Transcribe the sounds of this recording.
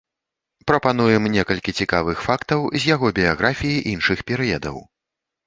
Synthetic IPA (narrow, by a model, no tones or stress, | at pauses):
pɾɐpan̪ujɛmnʲɛkɐlʲkʲit͡sʲikavɨxfakt̪ɐwzʲjaɣɔbʲijaɣɾafʲijiʔinʂɨxpʲɛɾɨjɛd̪ɐ̰w